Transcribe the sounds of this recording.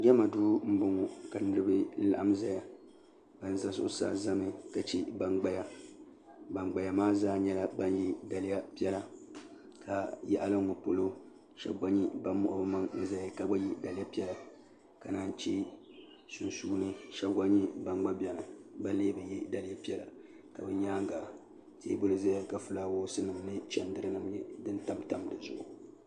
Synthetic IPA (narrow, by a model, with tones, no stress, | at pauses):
ɡʲɛ˦ma˨duː˦m̩˦bʊ˦ŋo˨ka˨nɨ˦ɾɨ˦bɨ˦la̰˦ʔa˦m˦za˨ja˨ | b̥a˦n˦za˦sʊ̰˦ʔʊ˦sa̰˦za˦mɨ˦ka˨t͡ʃi˦ba˦ŋɡ͡ba˦ja˦ | ba˨ŋɡ͡ba˨ja˨maː˦zaː˦ɲɛ˦la˨ba˦n˦ji˦da˨lɪ˦ja˦pi˦ɛ˦la˨ | kʰa˨jɛ˦˨ʔa˦la˦ŋo˨po˨lo˦ | ʃɛ̰˨bɡʷa˦ɲi˦ba˦mːʊ̰˦ʔʊ̰˦bɨ˦ma˦ŋnɨ˦za˦jka˦ba˦ji˦da˨lɪ˦ja˦pi˦ɛ˦la˨ | ka˨naː˦n˦t͡ʃe˦ | su˨nsuː˦nɨ˦ʃɛ˦ɡʷa˦ɲi˦ba˨ŋ͡mɡ͡ba˦bɛ˨nɨ˨ba˦nleː˦bɨ˨ji˦da˨lɪ˦ja˦pi˦ɛ˦la˨ | ka˨bɨ˦ɲaː˦ŋ˦ɡa˨ | tḛː˦bʊ˦lɨ˨za˦ja˦ka˨fɨ˦laː˦woː˦sɨ˦nɨ˨mnɨ˦t͡ʃɛ˨ndɨ˦ɾɨ˦nɨ˦mjɛ˦dɨ˦nta˦mta˦mdɨ˨zʊ˨ʔʊ˨